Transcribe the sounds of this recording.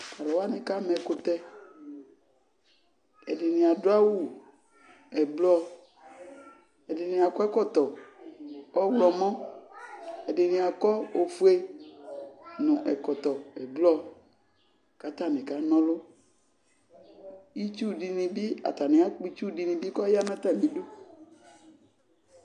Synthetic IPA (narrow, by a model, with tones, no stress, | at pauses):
ka˨lɔ˨wa˦nɪ̃˨ka˦mɛ˨kʊ˧t̪ɛ˦ | ɛ˨dɪ˨nɪ̃˨a˨dʊ˦a˦wu˦˨ | ɛ˨blɔ˦ | ɛ˨dɪ˨nɪ̃˨a˨kɔ˦ɛ˦kɔ˦t̪ɔ˨ | ɔ˦wlɔ˨mɔ̃˦ | ɛ˨dɪ˨nɪ̃˨a˨kɔ˦o˨fu˦e˦ | nʊ̃˨ʔɛ˨kɔ˨t̪ɔ˨ɛ˨blɔ˦˨ | ka˨t̪a˦˨nɪ̃˨ka˨˦nɔ̃˦lʊ˦ | i˦t͡ʃu˦di˨nĩ˨bi˦a̰˨t̪a˨nɪ̃˨˦a˦k͡pi˦t͡ʃu˦di˨nĩ˨bi˦kɔ˦ja˦nã˦t̪a˦˨nĩ˨˦do˦